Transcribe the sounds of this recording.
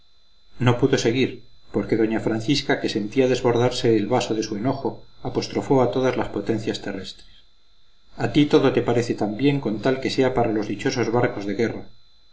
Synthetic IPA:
no̞puðo̞se̞ɣ̞iɾpo̞ɾke̞ðo̞ɲafɾanθiskake̞se̞nt̪iaðe̞zβo̞ɾðaɾse̞ːlβaso̞ðe̞sue̞no̞xo̞apo̞st̪ɾo̞fo̞at̪o̞ðazlaspo̞t̪e̞n̟θjast̪ere̞st̪ɾes | at̪it̪o̞ðo̞t̪e̞paɾe̞θe̞t̪ambje̞ŋko̞nt̪alke̞se̞apaɾalo̞zðit͡ʃo̞so̞zβaɾko̞zðe̞ɣe̞ra

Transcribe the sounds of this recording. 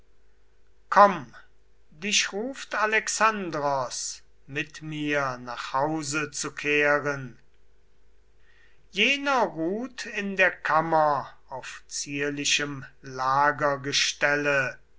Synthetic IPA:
kʰɔm | dɪʃʁuːftalɛksandʁɔs | mɪtmiːɐnaːχhaʊzət͡sukʰeːʁən | jeːnɐʁuːtʰɪndeːɐkʰamɐaʊft͡siːɐlɪʃəmlaːɡɐɡəʃtɛlə

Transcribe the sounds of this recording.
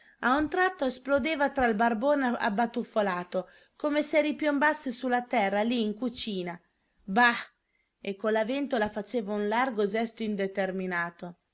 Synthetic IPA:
aunt̪ɾat̪ːoɛsplod̪eːvat̪ɾalbarboːna̰bat̪ufolaːt̪o | komeseɾipjombasːesulːat̪ɛrːaliːŋkut͡ʃiːna | ba | ekːolavɛnt̪olafat͡ʃeːvaunlarɡod͡ʒɛst̪oind̪et̪erminaːt̪o

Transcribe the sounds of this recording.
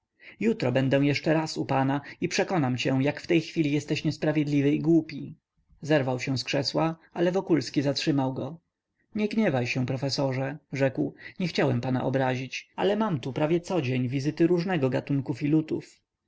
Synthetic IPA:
jut̪ɾɔbɛnd̪ɛw̃jɛʂt͡ʂɛɾasupanaipʂɛkɔnamt͡ɕɛ̃jakft̪ɛjxfʲilʲijɛst̪ɛɕɲɛspɾavʲjed̪lʲivɘiɡwupʲi | zɛɾvawɕɛ̃w̃skʂɛswaalɛvɔkulskʲizatʂɘmawɡɔ | ɲɛɡɲɛvajɕɛ̃pɾɔfɛsɔʐɛʐɛkwɲɛxt͡ɕawɛmpana̰ʔɔ̰bɾaʑit͡ɕa̰lɛmamt̪upɾavʲjɛt̪sɔd͡ʑeɲvʲizɘt̪ɘɾuʐnɛɡɔɡat̪uŋkufilut̪uf

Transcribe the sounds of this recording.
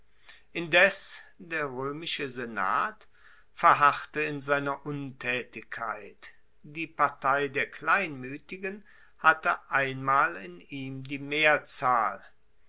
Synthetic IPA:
ʔɪndɛsd̥eːɐʁøːmɪʃəzena̰ːt | fɛɐɦaχtəɪnzaɪnɐʔʊntʰɛːtɪçkʰːa̰ɪt | d̥iːpaɐtʰaɪdeːɐkl̥aɪnmyːtɪɡən | hatəʔaɪnmaːlɪniːmdiːmeːɐt͡saːl

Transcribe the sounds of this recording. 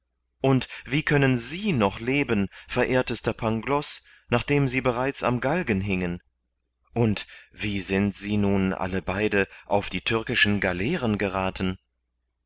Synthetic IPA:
ʔʊntv̥iːkʰœnənziːnɔχleːbənfɛɐʔeːɐtəstɐpʰaŋɡlɔs | naːχd̥eːmziːbəʁaɪt͡sa̰mɡalɡənɦɪŋən | ʔʊntv̥iːzɪntz̥iːnuːnʔa̰ləbaɪdəʔa̰ʊfd̥iːtʰʏɐkɪʃn̩ɡalɛːʁənɡəʁaːtn̩

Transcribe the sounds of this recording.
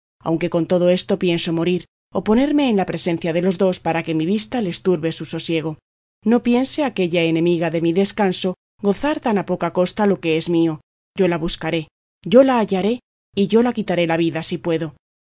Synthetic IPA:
a̰wŋke̞ko̞nt̪o̞ðo̞e̞st̪o̞pje̞nso̞mo̞ɾiɾ | o̞po̞ne̞ɾme̞ːnlapɾe̞se̞n̟θjaðe̞lo̞zðo̞spaɾake̞miβ̞ist̪ale̞st̪uɾβe̞suso̞sje̞ɣ̞o̞ | no̞pje̞nse̞ake̞ʎae̞nẽ̞miɣaðe̞miðe̞skanso̞ | ɡo̞θaɾt̪anapo̞kako̞st̪alo̞ke̞e̞zmio̞ | ɟ͡ʝo̞laβuskaɾe̞ | ʝo̞laːʝaɾe̞ | iʝo̞lakit̪aɾe̞laβiðasipwe̞ðo̞

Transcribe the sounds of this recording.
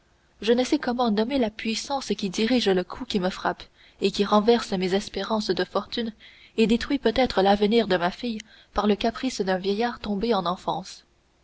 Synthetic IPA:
ʒənəsɛkɔmɑ̃nɔmelapɥisɑ̃ːskʲid̪iʁiʒləkʰukʲiməfχap | ekʲiʁɑ̃vɛʁsmezɛspeʁɑ̃sd̪əfɔʁt̪yn | ed̪et̪χɥipøt̪ɛt̪χəlavəniːʁd̪əmafij | paʁləkapχisd̪ɛ̃vjɛjaːʁt̪ɔ̃beɑ̃nɑ̃fɑ̰̃s

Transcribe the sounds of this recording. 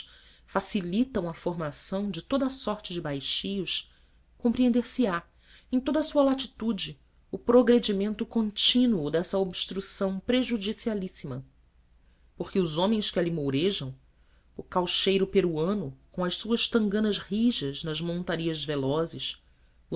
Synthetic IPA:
fasilit̪ɐ̃w̃ɐfoɾmasɐ̃w̃d͡ʒɪt̪od̪ɐasɔɾt͡ʃɪd͡ʒɪbajʃijʊʃ | kõmpɾiẽnd̪eɾsɪa | ẽj̃t̪od̪ɐsuɐlat͡ʃit̪ud͡ʒɪ | ʊpɾoɡɾed͡ʒimẽnt̪ʊkõnt͡ʃĩnuʊd̪ɛsɐobʃt̪ɾusɐ̃w̃pɾeʒud͡ʒisialisimɐ | poχkɪʊzõmẽj̃ʃkɪalimowɾeʒɐ̃w̃ | ʊkawʃejɾʊpeɾuɐ̃nʊkõw̃ɐʃsuɐʃt̪ɐ̃ŋɡɐ̃nɐzhiʒɐznɐzmõnt̪aɾiɐzvelɔzɪʃ

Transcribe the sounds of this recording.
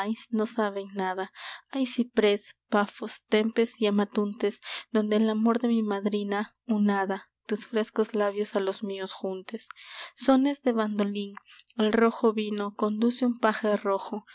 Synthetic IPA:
jsnosaβeŋnaðaajsipɾespafost̪empesiamat̪unt̪esd̪o̞nd̪eːlamo̞ɾðemimaðɾina | unaða | t̪usfɾeskozlaβjosalozmiosxunt̪esːone̞zðeβand̪oliŋelroxoβinoko̞nd̪useumpaxeroxo

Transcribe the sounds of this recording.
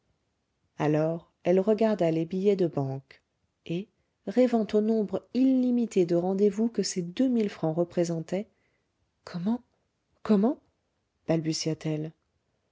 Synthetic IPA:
alɔʁ | ɛlʁəɡaʁd̪alebijɛd̪əbɑ̃k | e | ʁɛvɑ̃t̪onɔ̃bʁilːimit̪ed̪əʁɑ̃d̪evukəsed̪ømilfχɑ̃ʁəpχezɑ̃t̪ɛ | kʰɔmɑ̃ | kɔmɑ̃ | b̥albysjat̪ɛl

